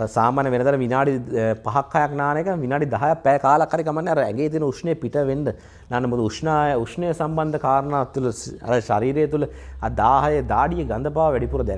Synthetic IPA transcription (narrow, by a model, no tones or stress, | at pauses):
saːmaːnjɐʋenɐd̪ɐɾɐʋinaːɖipaɦɐkʰːɐjaknaːnekɐʋinaːɖid̪aɦajapːɛːkaːlakʰːɐɾikamɐnːeɐɾɐɛŋɡeːt̪̬iənəuʂnəjəpiʈəʋend̪ə | naːnːɐmud̪uuʂnaukʂnəjɐsambɐnd̪ɐkaːɾɐnaːt̪uləɐ̰ɾəʃaɾiːɾejt̪uləɐd̪aːɦɐjed̪aːɖijeɡand̪ɐpaːʋɐʋɛɖipuɾɐd̪ɛn